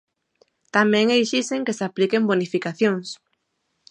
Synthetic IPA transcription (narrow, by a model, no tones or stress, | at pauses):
t̪amɛ̃ŋejʃiseŋkesaplikembonifikaθjoŋs